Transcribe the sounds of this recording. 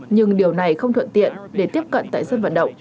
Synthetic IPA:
ɲɨ˧ŋɗi˨˩əwna˨˩jxə˧wŋ͡mt̪ʰwə̰˧˨nt̪ḭ˧˨ənɗe˧˩t̪i˦˥əp̚kə̰˧˨nt̪a̰ː˧˨jsə˧nvə̰˧˨nɗə̰˧˨wŋ͡m

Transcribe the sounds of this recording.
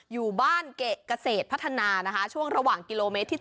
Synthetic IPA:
juː˨˩baː˥˩nke˨˩ka˧seː˨˩t̪̚pʰa˦˥t̪ʰːa˧naː˧na˦˥kʰa˦˥t͡ɕʰu˥˩əŋɾa˧waː˨˩ŋki˧loː˧me˦˥t̪ʰːiː˥˩

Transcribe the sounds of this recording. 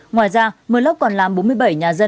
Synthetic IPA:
ŋwaː˨˩jzaː˧mɨ˨˩lə˦˥wk͡p̚kɔ˨˩nlaː˨˩mɓo˨˦nmɨ˧əjɓə˧˩jɲaː˨˩zə˧

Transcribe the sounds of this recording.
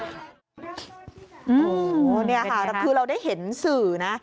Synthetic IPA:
ʔɯː˧o˦˧ni˥˩ɐka˥˩a˧˩kʰɯː˧ɾa˧wdaː˥˩jhe˩˦nsɯː˨˩na˦˥

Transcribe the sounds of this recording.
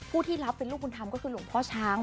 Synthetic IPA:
pʰuː˥˩t̪ʰiː˥˩ɾa˦˥pːe˧nluː˥˩u˧nt̪ʰa˧mkɔː˥˩kʰɯː˧lu˩˦ŋpʰɔː˦˥˩t͡ɕʰaː˦˥ŋ

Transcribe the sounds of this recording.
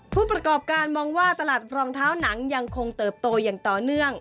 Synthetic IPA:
pʰuː˥˩pɾa˧kɔː˨˩p̚kaː˧nmɔː˧ŋwaː˥˩t̪a˧laː˨˩t̪̚ɾɔː˧ŋt̪ʰaː˦˥wna˩˦ŋja˧ŋkʰo˧ŋt̪ɤː˨˩p̚t̪oː˧jaː˨˩ŋt̪ɔː˨˩nɯ˥˩əŋ

